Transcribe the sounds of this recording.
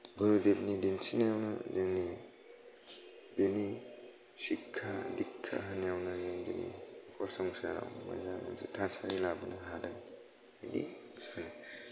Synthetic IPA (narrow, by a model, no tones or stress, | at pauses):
buɾudep̚nidinsinijawnɐzeŋni | peni | sikʰːadikʰːa̰ɦanijawnɐzeŋdḭnḭpʰɔɾsaŋsaɾa̰wma̰jzaŋa̰wsḭtʰasaɾilabɯnɐɦadaŋ | ajdḭ | sana